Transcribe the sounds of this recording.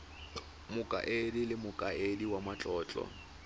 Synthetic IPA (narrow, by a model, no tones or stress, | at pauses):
mʊkʼa̰ʔedilɪmʊkʼaediwamat͡ɬʼɔːt͡ɬʼɔ̰